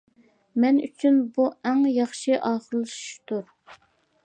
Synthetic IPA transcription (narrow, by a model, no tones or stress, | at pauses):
mɛny̰t͡ʃʰynbuɛŋjɑχʃɨʔɑːχəɾlˠɨʃu̥ʃt̪uɾ